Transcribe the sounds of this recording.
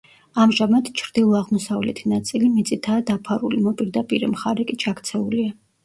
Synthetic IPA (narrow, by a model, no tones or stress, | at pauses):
amʒamad̪t͡ʃʰɾd̪ilˠɔaʁmɔsavlɛ̰t̪ʰinat̪sʼilimit̪sʼit̪ʰaːd̪apʰaɾulimɔpʼiɾd̪apʼiɾɛmχaɾɛkʼit͡ʃʰakʰt̪sʰɛulia